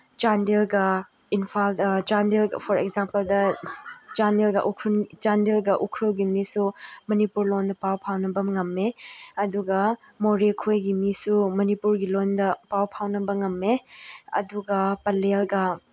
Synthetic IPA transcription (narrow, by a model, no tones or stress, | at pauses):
d͡ʒandelɡɐ | inpʰaldd͡ʒandelɐ̰pʰɔɾekzampɐldɐ | d͡ʒandelɡɐ̰ʔukʰɾund͡ʒandelɡɐʔukʰɾɐwɡimisumɐnipuɾlondɐpawpʰawnɐbɐŋɐmːeɐduɡɐ | moɾekʰojɡimisumɐnipuɾɡilondɐpawpʰawnɐbɐŋɐmːeɐ̰duɡɐpɐlelɡɐ